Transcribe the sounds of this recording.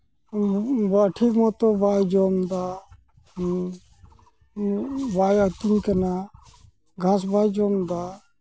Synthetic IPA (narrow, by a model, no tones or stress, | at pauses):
baʈʰiːkmoːt̪oːbaːid͡ʒoːmd̪aː | baːjat̪inkənaː | ɡʱãːs̬baːid͡ʒoːmd̪aː